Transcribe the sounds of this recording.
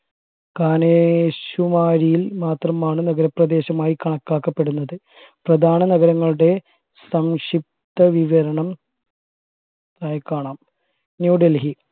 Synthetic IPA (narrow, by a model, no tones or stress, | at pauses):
kaːneɕumaːɾijilmaːt̪rɐmaːɳɨnɐɡɐɾɐprɐd̪e̞ːɕɐmaːjikɐɳɐkːaːkːɐpːe̞ɽunːɐðɨ | prɐd̪ʱaːnɐnɐɣɐɾɐŋːɐɭuɽe̞ | sɐmʂip̚t̪ɐʋiʋɐɾɐɳɐm | t̪aːjɐkːaːɳaːm | njuːɖelɦi